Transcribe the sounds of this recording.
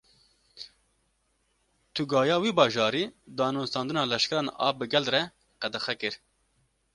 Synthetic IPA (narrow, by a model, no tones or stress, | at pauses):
t̪ʰuɡɑːjɑːwiːbɑːʒɑːɾiːd̪ɑːnoːst̪ɑːnd̪ɨnɑːlɛʃkɛɾɑːnɑ̰ːbɨɡɛld̪rɛ | qɛd̪ɛxɛkɨɾ